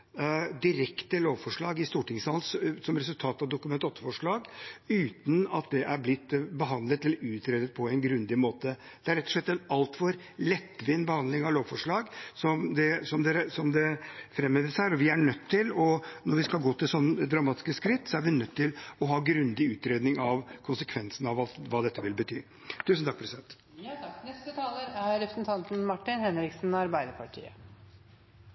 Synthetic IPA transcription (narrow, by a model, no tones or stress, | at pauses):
d̪ɪɾɛkt̪əloːʋfɔʂɭɑːɡɪst̪uːʈɪŋsɑlssɔmɾɛs̬ʉlt̪ʰɑːt̪ɑʋd̪ʊkʉmɛnt̪ɔt̪ːəfɔʂɭɑːɡʉːt̪nɑt̪̚d̪ɛʔæɾblɪt̪ːbəɦɑnd̪lət̪ɛlːəɾʉːt̪ɾɛːd̪ət̪̚pʰɔɛɪnɡɾʉnd̪ɪmoːt̪ə | d̪̥ɛæɾɛt̪ːɔ̥ʂɭɛt̪ːɛnɑlt̪fɔɾ | lɛt̪ːʋɪnbəhɑnd̪lɪŋɑʋloːʋfɔʂɭɑːɡsɔmd̪ɛsɔmd̪ɛsɔmd̪ɛfɾɛmːɛd̪əsæːɾɔʋɪæɳœt̪ʰːɪlɔnɔɾʋɪskɑlɡoːt̪ʰɪlsɔnːəəd̪ɾɑmɑːt̪ɪ̥skəskɾɪt̪ːsɔæɾʋɪnœt̪ʰːɪlɔɦɑːɡɾʉnd̪ɪʉːt̪ɾeːd̪nɪŋɑʋkʰʊnsəkʰʋɛnsn̩ɑʋɑʋɑːd̪ɛt̪ːəʋɪlbət̪ʰy̰ː | t̪ʰʉːsn̩t̪ɑk̚pʰɾɛsɪd̪ɛnt̪ | æɾɛpɾsnt̪ʰɑnt̪n̩mɑʈːɪnhɛnɾɪksn̩ɑɾbæɪd̪əɾpʰɑʈʰḭːə̰